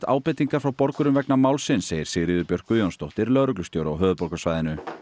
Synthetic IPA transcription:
t̪a̰ːwpɛjt̪iŋkaɾ̥fɾawpɔɾkʏɾʏmvɛknamaːwlsɪnseːjɪɾ̥sɪɣɾɪðʏpjœr̥kʏðjownst̪oht̪ɪɾlœːðɾʏklʏst̪jowɾaawɦœːðʏpɔɾkasvaːjðɪnʏ

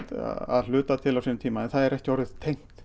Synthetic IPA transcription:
t̪a̰a̰ðl̥ʏːt̪at̪ʰɪlawsiːnɪmt̪ʰiːmaɛnθaðɛɾɛhcɪɔɾɪð̥t̪ʰejŋ̥t̪

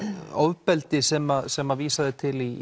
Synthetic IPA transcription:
o̰ːwpɛlt̪ɪsɛmaðsɛmaðviːsaðɪt̪ʰɪli

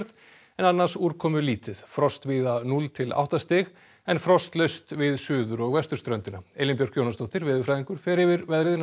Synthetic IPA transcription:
ɾð | ɛnanːaɾ̥suːɾkʰɔːmʏliːt̪ɪðfɾɔst̪viːðanult̪ʰɪla̰wht̪ast̪ɪɣ | ɛnfɾɔst̪lœɥst̪vɪðsʏːðʏɾɔɣvɛst̪ʏ̥st̪ɾœnt̪ɪnaeːlɪmpjœɾ̥kjownast̪owht̪ɪɾvɪðʏfɾajðiŋkʏɾ̥fɛɾɪvɪɾvɛðɾɪðɪn

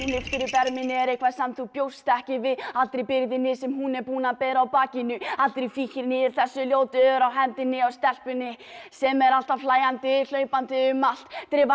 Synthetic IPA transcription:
lɪft̪ɪɾɪpɛɾmɪnːɪɛɾejkʰvaðsamt̪θupjowst̪ɛhcɪvɪðalt̪ɾejpɪɾðɪnːɪsɛmɦunɛɾpuːnapɛːðɾaawpaːcɪnʏalt̪ɾejfiːcɪɾnɪɾ̥θɛsːʏljoːwt̪ʏɾawɦɛnt̪ɪnːɪawst̪ɛl̥pʏnːɪ | sɛmɛɾal̥t̪aflaːjant̪ɪl̥œɥpant̪ɪʏmːal̥t̪ːɾɪːva

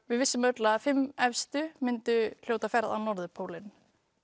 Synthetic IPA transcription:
vɪðvɪsːʏmœt̪lafɪmːɛfst̪ʏmɪnt̪ʏl̥owt̪afɛɾðawnɔɾðʏpʰowlɪn

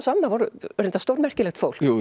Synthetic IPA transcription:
saːmːavɔɾʏɛɾent̪ast̪owɾnmɛr̥cɪlɛxt̪fowl̥u

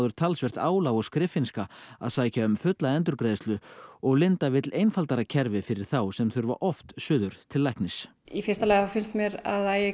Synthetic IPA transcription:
ðʏɾ̥t̪ʰalsvɛr̥t̪aːwlawɔskɾɪfɪnskaa̰ðsaːjcaʏmfʏt̪laɛnt̪ʏɾkɾeːðst̪lʏɔɣlɪnt̪avɪt̪lejnfalt̪aɾacʰɛɾvɪfɪɾɪɾ̥θawsɛmθœɥɾva̰ɾʔɔft̪sʏːðʏɾ̥t̪ʰɪlːajpnɪs | ifɪrst̪alaːvafɪnst̪mjɛɾaðajɛ

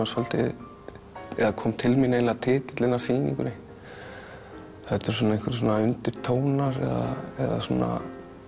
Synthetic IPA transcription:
asɔlt̪ɪð | ɛðakʰɔːmt̪ʰɪlminejnlaɣat̪ʰɪːt̪ɪ̥t̪lenḁsiːnḭŋkʏnɪ | θɛft̪ʏɾ̥sɔːnaejŋ̥kvɛɾt̪s̬ɔːnaʏnt̪ɪɾ̥t̪ʰoːwnaɾɛ̰ða̰ɛða̰suːna̰

